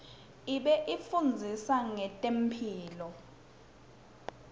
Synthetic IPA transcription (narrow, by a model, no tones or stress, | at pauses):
iɓɛʔifund͡zʱisaŋɛtʼem̩pʰiːlɔ